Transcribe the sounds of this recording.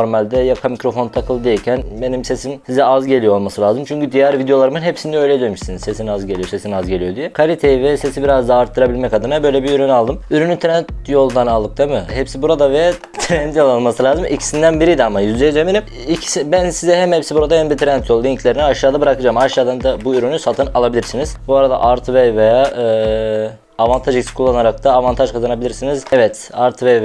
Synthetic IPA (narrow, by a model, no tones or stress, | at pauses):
oɾmalʲd̪ɛjakʰamicɾo̞fo̞nt̪ʰakʰɯlˠd̪ejicʰænbe̞nimse̞simsizɛazɟe̞lʲijoolˠmasɯlʲaːzɯmt͡ʃʰyɲcyd̪ijɛɾvid̪jo̞lˠaɾɯmɯnɦepsind̪ɛøjlʲɛd̪ønmyʃsinizse̞sinazɟe̞lʲijose̞sinazɟe̞lʲijo̞d̪ijɛkʰalʲit̪ʰejivɛse̞sibiɾazd̪aːɾt̪ʰːɯɾabilʲmɛcad̪ɯnabø̞jlʲɛbiyɾynalˠd̪ɯmyɾynyt̪ʰɾɛnt̪jo̞lˠnanalˠd̪ɯk̚t̪ʰamɯɦɛpsibuɾad̪avɛ | t̪ʰɾɛnd̪jo̞lˠalˠmasɯlʲaːzɯmʔicʰi̥sind̪ænbiɾijd̪iamajyzd̪ejid͡ʒemenim | icʰi̥sibænsizɛɦɛmhɛpsibuɾad̪ahɛmd̪it̪ʰɾɛnt̪ʰjo̞lˠd̪aiɲcʰlʲe̞ɾiniaʃaːd̪abɯɾakɯd͡ʒaːmaʃjaːd̪and̪abuyɾynysat̪ʰɯnalˠabilʲiɾsiniz̥buaɾad̪a̰ʔaɾt̪ʰvɛjvejaːɯː | vant̪ʰaʒicskʰulˠːanaɾak̚t̪ʰaːvant̪ʰaʒkʰazanabilʲiɾsinizɛvɛt̪ | aɾt̪ʰvɛv